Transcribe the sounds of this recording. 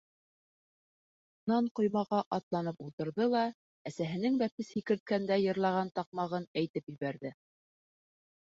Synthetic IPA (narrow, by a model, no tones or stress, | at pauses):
unɑɴqŏjmɑʁɑʔɑt̪lˠɑnɤpulˠt̪ɤ̆ɾðɤlˠɑ | æsæɦɘ̆nɘŋbæp̚ɘshikɘ̆ɾt̪̚kænd̪æjɤ̆ɾlˠɑʁɑnt̪ɑq̚mɑʁɤnæjt̪ɘpjɘ̆βæɾðɘ